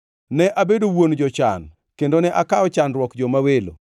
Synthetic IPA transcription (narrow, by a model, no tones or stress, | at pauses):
nɛʔabedowond͡ʒɔt͡ʃa̰n | kendonɛʔakaɔt͡ʃanɾwɔkd͡ʒɔmawelo̰